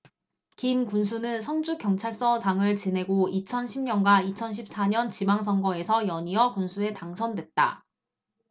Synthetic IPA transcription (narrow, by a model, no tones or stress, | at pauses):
kimkuns̬ʰunɯnsʰʌnd͡ʑukjʌŋt͡ɕʰaɭs͈ʌt͡ɕaŋɯɭt͡ɕine̞ɡoit͡ɕʰʌnɕʰimɲʌnɡwait͡ɕʰʌnɕʰip̚s͈aɲʌnt͡ɕimaŋs̬ʰʌŋɡʌe̞sʰʌjʌɲiʌkunsʰue̞taŋsʰʌndwe̞t̚t͈a̰